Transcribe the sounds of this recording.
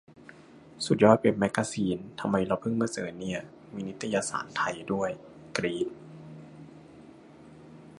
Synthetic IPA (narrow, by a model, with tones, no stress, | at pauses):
su˨˩t̪̚jɔː˧˥˩j̪̚pe˨˩p̚mɛ˦˥kːaː˧siː˨˩˦nt̪ʰa˧mːa˧jɾa˧wpʰɯ˥˩ŋmaː˧˥sɤː˩˦nːi˧˥˩ɐ | miː˧ni˦˥t̪ʰːa˧jaː˧sa̰ː˨˩˦nt̪ʰa˧jdu˥˩əj | kɾiː˦˥t̪̚